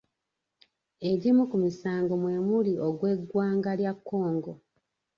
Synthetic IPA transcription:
e̞ɟimukumisaːŋɡo̞mwe̞ːmulioɡwe̞ɡwaːŋɡaljakʰːo̞ːŋɡo

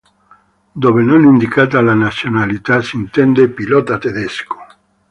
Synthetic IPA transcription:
d̪oːβenonind̪ikaːt̪̬alanat̪sjonalit̪asint̪ɛnd̪epilɔt̪at̪ed̪esko̥

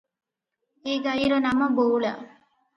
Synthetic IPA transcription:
eːɡɐjiɾonɐmɐboːɭa̰

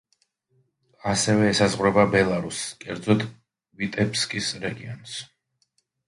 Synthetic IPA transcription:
asɛvɛːsazʁwɾɛbabɛlˠaɾuskʼɛɾd̪zɔt̪ʰʼ | vit̪ʼɛpʰskʼisɾɛɡiɔ̰ns

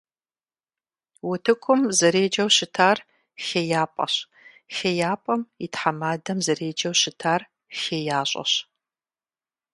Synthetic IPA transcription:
wʊtʰɨkʷʰʊmzɐɾeːd͡ʒɐwɕɪtʰaːr | xejaːpʼɐ̰ɕ | xejaːpʼɐmitħamaːdɐmzɐreːd͡ʒɐwɕɪtʰaːr | xejaːɕʷʼɐ̰ɕ

